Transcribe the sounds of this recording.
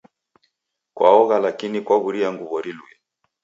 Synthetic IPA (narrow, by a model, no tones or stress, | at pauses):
kwa̰ɔɣalakinikwaɣuɾiaŋɡuβɔɾiluɛ